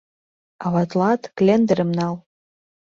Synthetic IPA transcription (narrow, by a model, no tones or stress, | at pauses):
awatlatʰklʲend̪ɨɾɨmnal